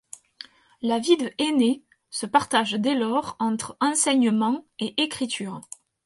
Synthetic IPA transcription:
lavid̪əʔene | səpaʁt̪aʒd̪elɔʁɑ̃t̪χəɑ̃sɛɲəmɑ̃eʔekχit̪ʰyːʁ

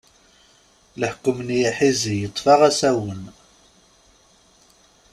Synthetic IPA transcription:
ləħkːʊmnijaħizijət̪ˤːfɑʁæsæwən

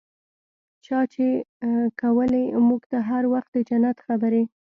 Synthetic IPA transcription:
t͡ʃɑt͡ʃekawəlemuɡt̪aɦaɾwaxt̪̚d̪əd͡ʒanat̪xabəɾe

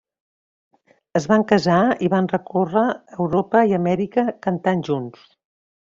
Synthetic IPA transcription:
əzβaŋkəzaiβanrəkorəːwɾopəiəmɛɾikəkənt̪anʲʒuns

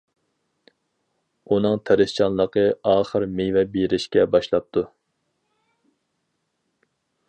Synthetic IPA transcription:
unɨŋt̪ʰæɾɪst͡ʃʰɑnlˠəqəɑːχəɾmejvɛbeɾɪʃkʲɛbɑʃlˠɑp̚t̪ʰu

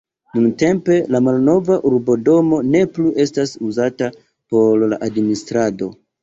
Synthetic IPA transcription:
nunte̞mpe̞lamalno̞vaʔuɾbo̞do̞mo̞ne̞pluʔe̞stasuzata | po̞ɾlaʔadministɾado̞̰

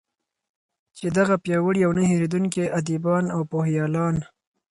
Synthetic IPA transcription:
t͡ʃed̪aɣapjɑwəɽijawnəheɾed̪uŋkeʔad̪ibɑnawpohjɑːlɑn

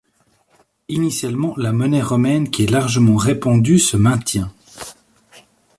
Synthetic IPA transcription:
inisjalmɑ̃lamɔnɛʁɔmɛnkʲiɛlaʁʒəmɑ̃ʁepɑ̃d̪ysəmɛ̃t̪jɛ̃

